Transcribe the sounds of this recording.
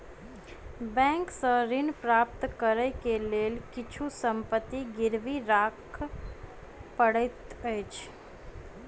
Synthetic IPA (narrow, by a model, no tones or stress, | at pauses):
bɛ̃ːŋksəɾɪnpɾaːp̚t̪kəɾəkeleːlkɪt͡ʃʰusə̃mpət̪ːiɡɪɾʋiɾaːkʰ | pəɽət̪əːt͡ʃʰ